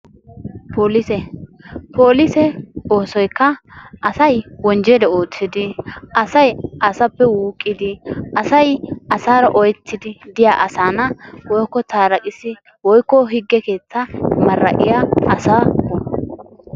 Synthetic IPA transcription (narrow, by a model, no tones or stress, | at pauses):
pʰoːlɪsɛpo̞ːlɪsɛo̞ːsɔjkːɐʔɐsɐjwɔnd͡ʒɛd̪ɛo̞ːt͡sːɪd̪ɪʔɐsɐjʔɐsɐpːɛwuːkʼːɪd̪ɪʔɐsɐjɐsaːɾɐʔɔjɛtːɪd̪ɪd̪ɪjaʔɐsaːnɐwɔjkːɔt̪aːɾɐkʼɪsɪ | wɔjkːɔɦɪɡːɛke̞ːt͡sːɐmɐɾːɐ̰ʔɪjaɐsaːɡɔnɐ